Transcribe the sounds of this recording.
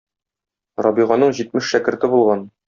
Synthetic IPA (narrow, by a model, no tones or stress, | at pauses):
ɾɒbiʁɑnɤɴʑit̪mɘʃʃækɘ̆ɾt̪ɘbulˠʁɑn